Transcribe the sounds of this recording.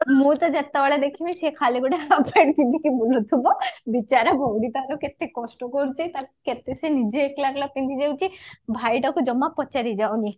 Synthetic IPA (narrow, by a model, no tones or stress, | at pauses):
mũt̪ad͡ʒat̪ːaʋaɭed̪ekʰimisekʰaliɡɔʈeapeɽt̪it̪ikibulut̪ʰibɔbit͡ʃaɾabʱɔɽit̪aɾɔket̪ekɔsʈɔkɔɾut͡ʃit̪aket̪esenid͡ʒeːklaɾlapind̪id͡ʒawt͡ʃʰibʱajʈakud͡ʒɔmːapɔt͡ʃaɾid͡ʒawni